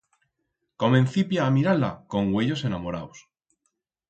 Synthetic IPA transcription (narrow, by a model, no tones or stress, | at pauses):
komẽnθipjaːmiɾala̰ko̞ŋɡweʎo̞se̞namo̞ɾa̰ws